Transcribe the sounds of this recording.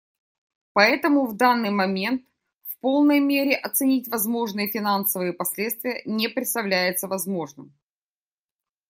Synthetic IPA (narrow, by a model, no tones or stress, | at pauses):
pɐɛt̪əmʊvd̪anːɨjmɐmʲe̞nt̪ | fpo̞lˠnəjmʲeɾʲɪʔɐt̪sɨnʲitʲvɐzmo̞ʐnɨjəfʲɪnansəvɨjəpɐsʲlʲe̞t̪st̪vʲɪjənʲepɾʲɪt̪st̪ɐvlʲæjɪt̪səvɐzmo̞ʐnɨm